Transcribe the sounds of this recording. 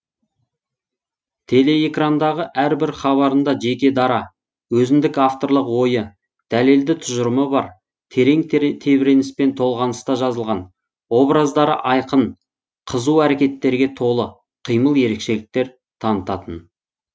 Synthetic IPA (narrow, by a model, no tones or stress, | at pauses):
t̪ʰe̞le̞ekrand̪ɑʁəʔæɾbɪɾχɑβɑɾənd̪ɑʒe̞kʲe̞d̪ɑɾɑ | wɵzɪmd̪ɪkaft̪o̞ɾlˠəqwo̞jə | d̪̥æle̞ld̪ɪt̪ʰʊʒəɾəməbɑɾ | t̪ʰeɾe̞ŋt̪ʰe̞bɪɾe̞nɪspe̞nt̪ʰo̞lˠʁɑnəst̪ɑʒɑzəlˠʁɑn | wo̞bɾɑzd̪ɑɾə̰ʔɑjqən | qʰəzuwæɾe̞kʲe̞t̪ːe̞ɾɡʲe̞t̪ʰo̞lˠə | qʰijməlˠje̞ɾe̞kʃe̞lɪk̚t̪e̞ɾ | t̪ʰɑnət̪ɑt̪ən